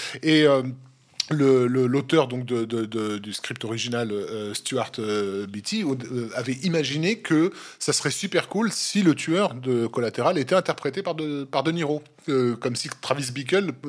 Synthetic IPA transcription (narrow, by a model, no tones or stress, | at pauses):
eø | lələlot̪œʁd̪ɔ̃k̚d̪əd̪əd̪əd̪yskχip̚t̪ɔʁiʒinaløːst̪uaʁt̪bit̪iøavɛʔimaʒinekʰəsasəʁɛsypɛʁkulsilət̪ʰɥœʁd̪əkɔlat̪eʁalet̪ɛɛ̃t̪ɛʁpχet̪epaʁd̪əpaʁd̪əniʁo | økɔmsit̪χavis̬bik̬ʲœl